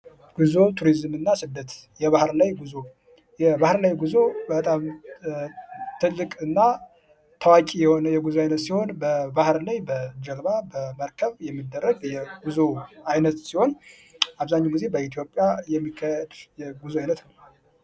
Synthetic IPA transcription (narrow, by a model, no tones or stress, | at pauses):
ɡ̥uzo̞t̪ʰuɾizɨmɨnːasɨd̪ːət̪jɛβahɾlajɡuzo | jɛbahɾlajɡuzo̞bət̪ʼam | t̪ʰɨlːɨkʼɨnːa | t̪ʰəwakʼijɛho̞nəjɛɡuzoajnət̪siho̞nbəbahɾlajbəd͡ʒəlbabəməɾkʰəβjɛmːɨd̪ːərːəɡjɛɡuzoajnət̪siho̞n | aβzaɲːaɡize̞bəit̪ʰijo̞pʼːjajɛmːikʰːəjd̪jɛɡuzuajnət̪